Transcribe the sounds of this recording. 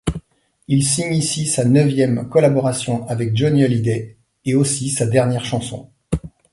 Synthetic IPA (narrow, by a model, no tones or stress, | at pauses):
ilsiɲisisanœvjɛmkɔlabɔʁasjɔ̃avɛk̚ʒɔnjəlid̪ɛ | eosisad̪ɛʁnjɛʁʃɑ̃sɔ̰̃